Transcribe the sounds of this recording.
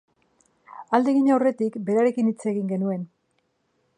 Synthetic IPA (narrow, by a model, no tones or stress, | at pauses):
ald̪e̞ɣiɲawre̞t̪ikbe̞ɾaɾe̞kinit͡se̞ɣiŋɡe̞nue̞n